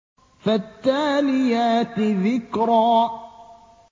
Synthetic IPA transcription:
fat̪ːaːlɪjaːt̪ðɪkɾˤɑː

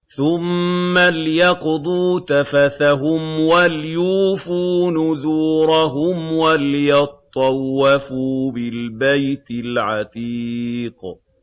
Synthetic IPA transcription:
θʊmːalɪjɑqd̪ˤuːt̪afaθaɦʊmwalɪjuːfuːnʊðuːɾˤɑɦʊmwalɪjɑt̪ˤːɑwːafubɪlbajt̪ɪlʕɑt̪iːq

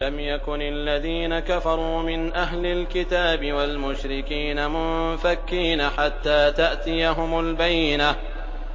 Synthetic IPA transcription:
amjakʊnalːaðiːnakafɑɾˤuːmɪnʔaɦlɪlkɪt̪aːbɪwalmʊʃɾɪkiːnamʊnfakːiːnaħat̪ːaːt̪aʔt̪ɪjaɦʊmʊlbajːɪna

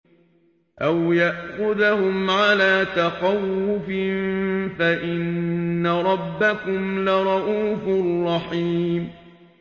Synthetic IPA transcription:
ʔawjaʔxʊðahʊmʕalaːt̪aqɑwːʊfɪfaʔɪnːaɾˤɑbːakʊmlɪɾˤɑʔuːfʊrˤːɑħiːm

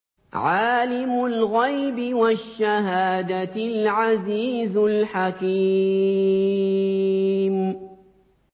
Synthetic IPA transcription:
ʕaːlɪmʊlɣajbɪwaʃːaɦaːd̪aɪlʕaziːzʊlħaki | m

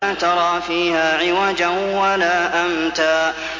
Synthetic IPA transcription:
at̪ɑɾˤɑːfiːhaːʕɪwaːd͡ʒanwalaːʔamt̪aː

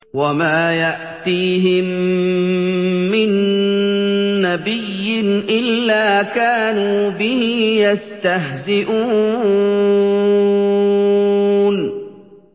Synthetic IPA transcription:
wamaːjaʔt̪iːɦɪm | ɪn | abɪjːɪnʔɪlːaːkaːnuːbɪhɪjast̪aɦzɪʔuː | n

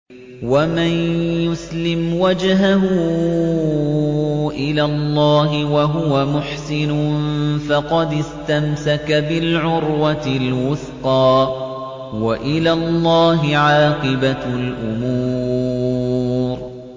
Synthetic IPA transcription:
wamanjʊslɪmwad͡ʒɦaɦʊu | ʔɪlalˤːɑːɦɪwaɦʊwamʊħsɪnʊfɑqɑd̪ɪst̪amsakabɪlʕʊɾwalwʊθqɑː | waʔɪlaːlˤːɑːɦɪʕɑːqɨbalʔʊmuː | ɾ

